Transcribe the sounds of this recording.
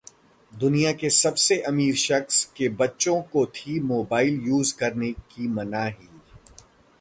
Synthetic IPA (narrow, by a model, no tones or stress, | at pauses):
d̪ʊnijakesɐbseʔɐmiːɾʃɐxskebɐtːʃõkot̪ʰimoːbaːɪljuːzkɐɾnekimɐnaɦiː